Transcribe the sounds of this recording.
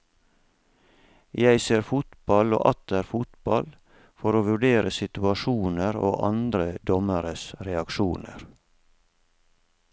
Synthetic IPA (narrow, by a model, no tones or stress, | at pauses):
jæɪseːɾfʊt̪bɑlo̰ːʔɑt̪̚d̪æːɾfʊt̪bɑl | fɔɾoːʋʉɖeːɾʔəsɪt̪ʉɑʃuːnəɾo̰ːʔɑnd̪ɾəd̪ɔməɾəsɾɛɑkʃuːnə̰ɾ